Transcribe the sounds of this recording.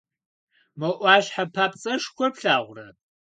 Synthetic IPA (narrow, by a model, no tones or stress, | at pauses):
mɐʔʷɑːɕħapʰaːpt͡sʼɐʂkʷɔpɬaːʁʷʊrɐ